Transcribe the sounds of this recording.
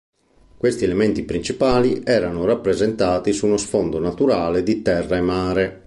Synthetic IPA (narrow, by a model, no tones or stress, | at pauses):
kwest̪iɛlɛment̪ipɾint͡ʃipaːliɛːɾanorapːɾezɛnt̪aːt̪isunosfɔnd̪onat̪uɾaːled̪it̪ɛrːaɛmːaːɾe